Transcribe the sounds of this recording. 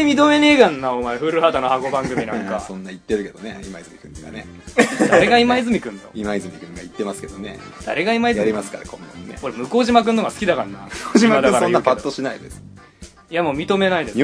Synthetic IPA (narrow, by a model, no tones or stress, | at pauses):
emʲit̪o̞me̞ne̞ːkãnːaomaeɸɯ̟ɾɯ̟had̪anohako̞bãŋɡɯ̟mʲinaãŋkasõnːait̪ːe̞ɾɯ̟ke̞d̪oneimaizɨmʲikɯ̟̃nt̪oɡa̰nḛ | d̪aɾe̞ɡaimaizɨmʲikɯ̟̃nt̪o̰imaizɨmʲikɯ̟̃ŋɡait̪ːe̞masɨ̥ke̞d̪onḛd̪̥a̰ɾe̞ɡaimaizjaɾʲimasɨ̥ka̰ɾakʰõnd̪õnːḛko̞ɾemɯ̟ko̞ːʑimak̬ɯ̃nːoɡasɨ̥kʲid̪akanːaoːimad̪aɯ̃kaɾsoãjɯːapat̪ːo̞ɕinaid̪es | jamoːmʲit̪o̞me̞naid̪e̞